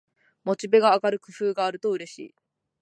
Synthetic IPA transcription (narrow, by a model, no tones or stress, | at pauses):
mo̞t͡ɕibe̞ɡaːkaɾɯ̟kɯ̟ɸɯːɡaːɾɯ̟t̪o̞ɯ̟ɾe̞ɕḭː